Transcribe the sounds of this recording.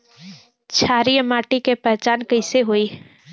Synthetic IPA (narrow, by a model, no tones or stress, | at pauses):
t͡ʃʰaːɾijəmaːʈikepət͡ʃaːnkəɪseɦoːi